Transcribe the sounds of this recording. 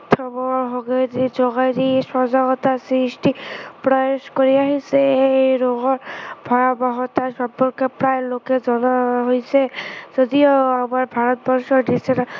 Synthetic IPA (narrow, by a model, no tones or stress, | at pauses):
t̪ʰɔbɔɦoɡajdid͡ʒɔɡajɾisɔzaɡɔt̪asɾisʈipɾɔeʃkoɾiaɦisʰeɾoɡɔɾbʱɔjabaɦɔt̪aʃɔmpːɔɾkepɾajloked͡ʒɔnaɦojsʰezod̪ioamaɾbʱaɾɔt̪̚bɔɾʃɔɾdisʰena